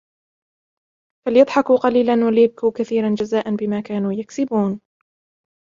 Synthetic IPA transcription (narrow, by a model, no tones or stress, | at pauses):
falɪjɑd̪ˤħɑkuːqɑliːlanwaljab̚kuːkaθiːɾand͡ʒazaːʔanbɪmaːkaːnuːjaksɪbuːn